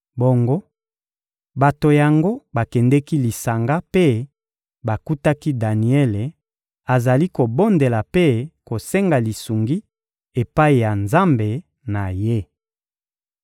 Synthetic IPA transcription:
bo˨ŋɡo˦ | ba˨to˨ja˨ŋɡo˦ba˨kɛ˨ndɛ˦ki˦li˨sa˨ŋɡa˦pe˦ | ba˨ku˦ta˦ki˦da˨ni˨ɛ˦le˨ | a˨za˨li˦ko˨bo˦nde˨la˨pe˦ko˨sɛ˦ŋɡa˨li˨su˨ŋɡi˦ | e˨pa˦i˨ja˨nza˦mbe˨ | na˨je˦

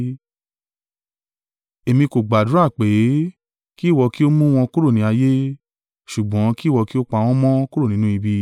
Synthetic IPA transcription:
e˨mĩ˧ko˨ɡ͡ba˨du˨˦a˦˨k͡pe˨˦ | ki˦˨wɔ˧ki˦o˦mũ˦w̃ɔ̃˧ku˦ɾo˦˨nĩ˨˧˦a˧je˦ | ʃu˨ɡ͡bɔ̃˨˦ki˦˨wɔ˧ki˦o˦k͡pa˧w̃ɔ̃˦mɔ̃˦ku˦ɾo˦˨nĩ˨˦nũ˦i˧bi˧

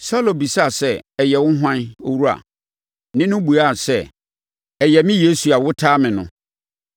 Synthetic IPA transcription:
sa˦lo˨bi˨sa˦˨sɛ˦˨ɛ˨jɛ˨wʊ̃˦ɦã˦no̰˦wu˦a̰˨ | nɪ̃˦nʊ̃˦bu˨a˦˨sɛ˦˨ | ɛ˨jɛ˨mɪ̃˦je˦su˨a˨wʊ˦tʰaː˦mɪ̃˨nʊ̰̃˨

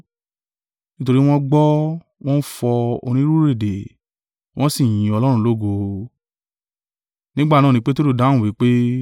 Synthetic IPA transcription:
nĩ˦to˧ɾi˦w̃ɔ̃˦ɡ͡bɔ˦ | w̃ɔ̃˦fɔ˧o̰˧nĩ˦ɾu˦ɾe˦˨de˨ | w̃ʔɔ̃˦si˦˨j̃ĩ˨ɔ˧lɔ˦ɾ̃ũ˧lo˦ɡo˧ | nĩ˦ɡ͡ba˦˨nã˦˨nĩ˦k͡pe˦to˦ɾu˦˨dã˨˦˨wi˨˦k͡pe˦

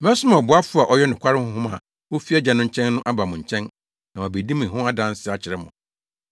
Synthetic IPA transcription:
m˦ɛ˦sʊ˦mã˨bʊ˨˦a˦fʊ˦a˨ʔɔ˦jɛ˦n˨ɪ̃˨kʰʷa˦ɾɪ˦hʊ̃˦hʊ̃˦ma̰˨ | wo˦fi˦ɛ˦d͡ʑa˨nʊ̃˦ɲ̩˦t͡ɕʰɛ̃˦nːʊ̃˦ʔa˦ba˨mʊ̃˨ɲ̩˨t͡ɕʰɛ̃˦n | nã˨a˨be˨di˦mʊ̃˨ɦʊ̃˦a˦dã˦n˦sɪ˦a˨t͡ɕʰɪ˨ɾɪ˦mʊ̃˨

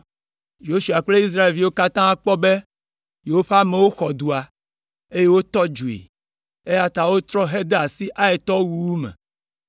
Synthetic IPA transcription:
jo˦ʃu˨a˨k͡ple˦i˦s̬ɾa˦e˨lvi˨wo˦ka˦t̪ã˦a˦˨k͡pɔ˦be˦ | jo˨o˦ɸe˦a˦me˨wo˦xɔ˨d̪u˨a˨ | e˦je˦wo˦t̪ɔ˦d͡ʒu˨ḛ˨ | e˦ja˦t̪a˨wo˦t̪ɾɔ˦ɦe˦d̪e˦a˨si˦ʔa˦e˨t̪ɔ˦wu˦wu˦mɛ̰̃˨

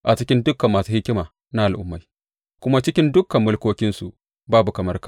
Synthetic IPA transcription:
ʔa˨t͡ʃɪ˦kʲɪ˦ndʊ˦kɐ˨mːaː˨su˦hɪ˦kʲɪ˦maː˨ | na˦ʔa˨ʔʊ̰˦mːa˨j | kʷʊ˦ma˦t͡ʃɪ˦kʲɪ˦ndʊ˦kɐ˨mːʊ˦lkʷoː˦kʲɪ˦nsu˨ | baː˦bu˨kɐ˨mɐ˦rkḁː˨

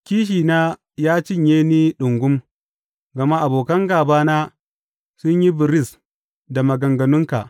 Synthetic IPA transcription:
kʲiː˦ʃ̬iː˨naː˦ | jaː˦t͡ʃɪ˦˨ɲjeː˦niː˦ɗʊ˨ŋɡʷʊ˦m | ɡɐ˨ma˦ʔa˨boː˨kɐ˦ŋɡaː˨baː˦naː˦ | sʊ˦ɲji˦bɪ˨ɾɪ˦˨s | da˨mɐ˨ɡɐ˨ŋɡɐ˨nʊ˦ŋka˨ʔ

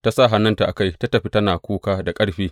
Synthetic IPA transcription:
ta˦sa˦˨ɦa˨˦nɐ˦nta˨ʔa˨ka˦˨jta˦tɐ˨ɸi˦tɐ˦naː˨kʷuː˦kaː˦da˨kʼɐ˦ɽɸiː˦

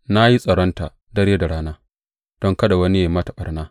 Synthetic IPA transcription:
na˦ji˦sʼɐ˨ɽɔ˦nta̰˨ | dɐ˦ɾjeː˦da˨ɽaː˦naː˦ | d̥ɔ˦ŋkɐ˦ɗa˨wɐ˦ni˦e˨mɐ˦ta˨ɓɐ˨rnaː˦

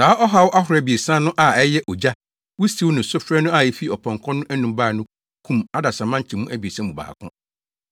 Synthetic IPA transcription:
saː˨˦ʔɔ˦ɦa˦wʊ˦ʔa˦ɦʊ˨ɾɛ˦bi˨e˨sãː˦nʊ̃˦ʔa˨ɛ˦jɛ˦ʔɔ˨d͡ʑa˦ | wʊ˦si˦wnʊ̃˨sʊ˦fɾɛ˦nʊ̃˦a˦˨jɛ˨fi˦˨ɔ˨pʰɔ̃˨ŋkʰɔ̃˦nʊ̃˦ʔæ˦nũ˨mbaː˦˨nʊ̃˦ | kʰũ˦ma˦da˨sã˨mã˦ɲ˦t͡ɕʰɪ˨mũ˦ʔæ˦bi˨e˨sã˦mũ˨ba̰ː˨kʰʊ̰̃˦

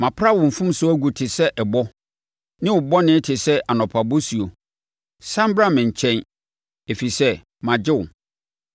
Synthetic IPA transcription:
mã˨pʰɾa˦wʊ̃˨m̩˨fũ˦msʊ˦æ˦ɡu˨tʰɪ˨sɛ˦ʔɛ˨bɔ˦ | nɪ̃˦wʊ˨bɔ˦nɪ̃˦tʰɪ˨sɛ˦ʔa˨nɔ̃˨pʰa˨bɔ˦su˨o˨ | sã˦mbɾa˦mɪ̃˨ɲ̩˨t͡ɕʰɛ̃˦n | e˨fi˨sɛ˦ | mã˨d͡ʑɪ˦wʊ̰˨

